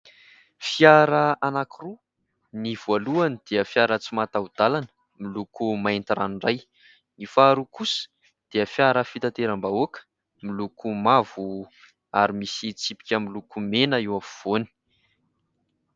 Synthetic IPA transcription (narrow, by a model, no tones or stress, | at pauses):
fiaɾəanakiru | niv̥aluanid̪̥eəfjaɾət͡simat̪aud̪alanə̥ | milukumaent̪iɾanɳraj | nifaɾukusə̥ | d̪̥eəfjaɾəfit̪at̪eɾambaokə̥ | milukumavu | aɾimisit͡sipi̥kʲəmilukumenəiwafuv̥oni̥